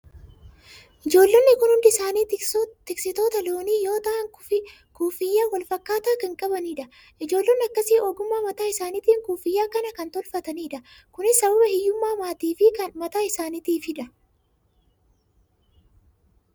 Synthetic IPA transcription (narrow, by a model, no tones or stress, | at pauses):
ʔɪd͡ʒo̞ːlːenːɪkʊnhʊnd̪ɪɪsaːniːt̪ɪksɪt̪o̞ːt̪ɐloːniːjo̞ːt̪ɐŋʊfɪ | kuːfɪjːaːwɐlfɐkːaːt̪aːkɐŋkʼɐbɐniːᶑɐ | ʔɪd͡ʒo̞ːlːeːnːɪɐkːɐsɪːʔoːɡʊmːaːmɐt̪aːɪsaːnɪt̪iːŋkuːfɪjːaːkɐnɐkɐnt̪ɔlfɐt̪ɐniːᶑɐkʊnɪsːɐbɐbɐhɪjːʊmːaːmaːt̪iːfɪkɐnmɐt̪aːɪsaːnit̪iːfɪᶑɐ